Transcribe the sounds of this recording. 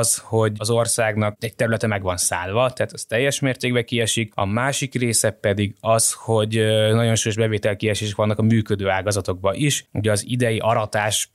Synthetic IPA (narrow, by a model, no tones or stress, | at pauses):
sho̞ɟɒzo̞rsaːɡnɒk̚ɛc̚t̪ɛɾylɛt̪ɛmɛɡʋɒnsa̰ːlvɒt̪ɛaːt̪ɒst̪ɛjːɛʃmeːrt̪eːɡbɛkiɛʃikɒ̰maːʃikreːsɛpɛd̪iɡɒsho̞ɟnɒɟo̞nʃuːjo̞ʒbɛveːt̪ɛlkiɛʃeːʃɛkʋɒnːɒkɒmyːkød̪øːaːɡɒzɒt̪o̞ɡ̚bɒʔiʃuɟɛɒzid̪ɛjiʔɒɾɒt̪aːʃ